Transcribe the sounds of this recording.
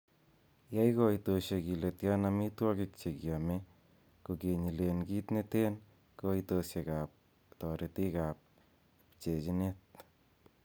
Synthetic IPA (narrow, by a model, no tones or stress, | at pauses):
jajkɔitoʃekiletjanamitwɔkɪk̚t͡ʃekjame | kokeɲilenɡitneten | koitosekap̚ | tɔɾʔetikap̚ | pt͡ʃet͡ʃinet̚